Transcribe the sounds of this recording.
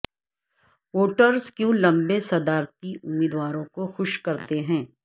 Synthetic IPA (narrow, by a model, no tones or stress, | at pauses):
woːʈəɾzkjũlɐ̃mbesɐd̪aːɾt̪iʔʊmːiːd̪waːɾõkoxʊʃkɐɾt̪eɦɛ̃ː